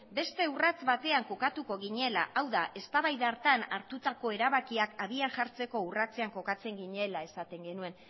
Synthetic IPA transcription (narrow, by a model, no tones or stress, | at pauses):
be̞st̪e̞urat͡sβat̪e̞aŋko̞kat̪uko̞ɣiɲe̞laʔawðaʔe̞st̪aβajðaɾt̪anaɾt̪ut̪ako̞e̞ɾaβakiakaðianʝaɾt͡se̞ko̞urat͡se̞aŋko̞kat͡se̞ŋɡiɲe̞lae̞sat̪e̞ŋɡe̞nue̞n